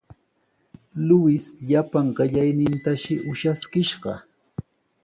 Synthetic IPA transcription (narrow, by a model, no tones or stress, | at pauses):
lʊwɪsʎapaŋɢɪʎajnɪnt̪aʃɪʔʊʃaskɪʃɢɑ̰